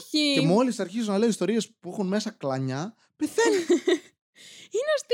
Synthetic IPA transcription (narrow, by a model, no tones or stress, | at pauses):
ie̞mo̞lisɐɾçizunɐle̞oist̪o̞ɾie̞spuexunme̞sɐklɐɲɐ | peθe | ineost̪